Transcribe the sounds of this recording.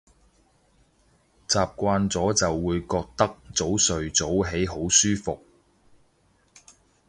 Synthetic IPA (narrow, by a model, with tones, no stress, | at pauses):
t͡saː˨p̚kʷaː˧nt͡sɔː˨˥t͡sɐ˨wːuː˨˧jkɔː˧k̚t̪ɐ˥k̚t͡so˨˥wsɵ˨ɥt͡so˨˥wɦe˨˥jɦo˨˥wsyː˥fʊ˨k̚